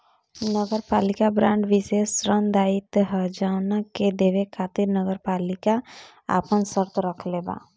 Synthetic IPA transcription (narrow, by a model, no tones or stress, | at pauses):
nəɡəɾpaːlɪkabɾãːɳɖʋisesɾənd̪aːɪt̪ɦəd͡ʒaʊnaked̪eːʋekʰaːt̪iɾnəɡəɾpaːlɪka | a̰pənsəɾt̪ɾəkʰleba̰ː